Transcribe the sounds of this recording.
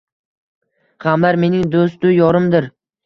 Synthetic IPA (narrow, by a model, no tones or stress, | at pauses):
qʰamlaɾme̞nɪŋd̪os̬t̪ʊjɒɾɪmd̪ɪɾ